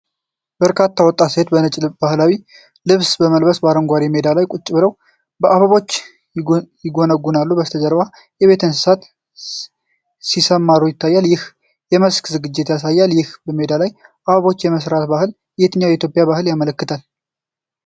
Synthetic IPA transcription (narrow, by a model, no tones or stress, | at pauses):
b̥əɾkʰat̪ʰːawɔt̪ʼːaset̪bənɨt͡ʃʼlɨbahlawi | lɨβsbəməlbəsbəaɾəŋɡʷaɾime̞d̪alajkʼʊt͡ʃʼːɪbɨɾəw | bəʔaβaβo̞t͡ʃː | jɪɡo̞nəɡːunalːubəst̪ʰəd͡ʒəɾβa | jɛβe̞t̪ʰɨns̬ɨsat̪ | sisəmːaɾujɪt̪ʰːajːaljɪh | jɛməskzɨɡɨd͡ʒːɪt̪jasajːaljɪhbəme̞d̪alajʔaβaβo̞t͡ʃːjɛməsɾat̪bahɨl | jet̪ʰɨnjawjɛit̪jo̞pʼjabahɨljamələkːɨt̪ʰal